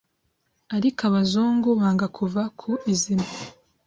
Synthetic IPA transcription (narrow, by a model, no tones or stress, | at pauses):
aɾikaβazoːŋɡuβaːŋɡakʰuvakʰuizima